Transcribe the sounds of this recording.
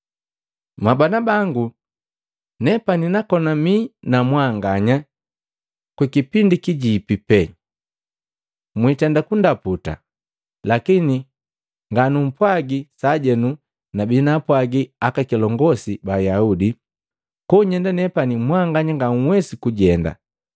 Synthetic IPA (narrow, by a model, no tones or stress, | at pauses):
mabanabaŋɡu | nɛpaninakɔnaminamwaŋɡaɲa | kwikipindikiɟipipɛ | mwitɛndakundaputa̰ | lakini | ŋɡanum̩pwaɡisaɟɛnu | nabinapwaɡiakakilɔŋɡɔsibajaudi | kɔɲɛndanɛpanimwaŋɡaɲaŋɡaŋ̩wɛsikuɟɛnda̰